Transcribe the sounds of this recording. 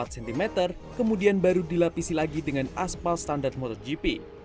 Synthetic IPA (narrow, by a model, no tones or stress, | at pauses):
at̪̚sɛnt̪imet̪ər | kəmudianbaɾudilapisilaɡidəŋanaspalst̪andart̪̚mot̪ɔrd͡ʒipi